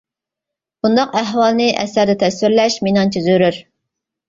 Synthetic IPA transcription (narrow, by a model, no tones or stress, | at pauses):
b̥und̪ɑqæɦwɑlˠnɨʔɛ̰sæɾd̪ɛt̪ʰɛsyɾlɛʃminɑnt͡ʃʰizyɾyɾ